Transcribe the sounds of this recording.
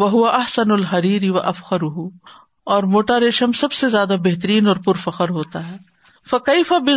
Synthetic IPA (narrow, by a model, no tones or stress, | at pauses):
wɐɦʊʋɐʔɐħsɐnʊlɦɐɾiːɾiʋɐʔɐfɣɐɾʊɦu | ɔːɾmoːʈaːɾeːʃəmsɐbsezjaːd̪abeɦt̪əɾiːnɔːɾpʊɾfɐqəɾɦoːt̪aɦɛː | fɐkeɪfɐbɪ